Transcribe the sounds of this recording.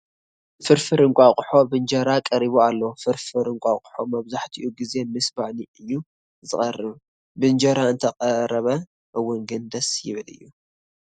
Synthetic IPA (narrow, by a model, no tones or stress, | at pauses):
fɨɾfɨɾɨŋkʷʼaqʼʊħo̞bɨnd͡ʒɐɾakʼɐɾiβoalːofɨɾfɨɾɨŋkʷʼaqʼʊ̥ħo̞mɐβzaħt̪ʰiʔuɡize̞mɨsbaʕniʔɨjːu | zɨkʼɐrːɨβ | bɨnd͡ʒɐɾaɨnt̪ʰɐqʼɐɾɐβɐ | ʔɨwːʊnɡɨnd̪ɐsjɪ̰βɨlɨ̰jːu